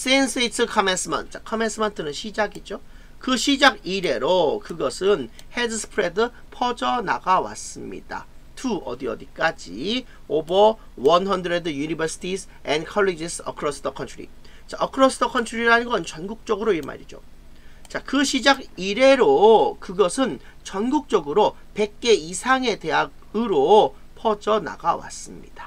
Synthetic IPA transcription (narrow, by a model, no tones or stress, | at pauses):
s͈ens͈ʰeitʰɯkʰʌmens͈ɯmʌ̰ntt͡ɕakʰʌmens͈ʰɯmʌntʰɯnɯnɕʰid͡ʑaɡid͡ʑo | kɯɕʰid͡ʑaɡiɾe̞ɾokɯɡʌsʰɯnhedɯsʰɯ̥pʰɾe̞dɯ | pʰʌd͡ʑʌna̰ɡawa̰s͈ɯmɲḭd̥a̰tuʌ̰diʌdik͈ad͡ʑḭ | obʌ | wʌnhʌndɾedɯjunibʌɾsʰi̥tʰis | enkʰʌɭːid͡ʑisʌ̰kʰɯɾʌs͈ʰɯdʌkʰʌntʰuɾḭ | t͡ɕaʌkʰɯɾʌsʰɯdʌkʰʌntt͡ɕʰuɾiɾanɯnɡʌnt͡ɕʌnɡuk̚t͡ɕ͈ʌɡɯɾoiɭma̰ɾid͡ʑo̰ | t͡ɕakɯɕʰid͡ʑaɡiɾe̞ɾokɯɡʌsʰɯn | t͡ɕʌnɡuk̚t͡ɕ͈ʌɡɯɾo | pe̞k̚k͈e̞isʰaŋe̞te̞ɦaɡ̚ | ɯɾo | pʰʌd͡ʑʌna̰ɡawa̰s͈ɯmɲḭd̥ḁ